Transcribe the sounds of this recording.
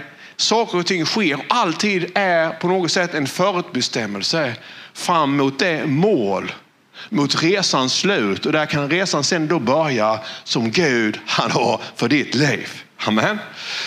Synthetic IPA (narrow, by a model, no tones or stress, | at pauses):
sɑːkəɾɔt̪ʰɪŋːɧeːɾɔʔalt̪ʰiːd̪æɾpʰɔnoːɡɔt̪sɛt̪ːɛnfœːɾʉ̟ːt̪̚bɛst̪ɛmːəlsəfɾamːʊːt̪̚d̪ɛmoːl | mʊt̪ɾeːsanslʉ̟ːt̪ɔd̪ækʰanɾeːsansɛnd̪ɔbœɾjasɔmɡʉ̟ːd̪hanhaɾfœɖɪt̪liːv | amɛn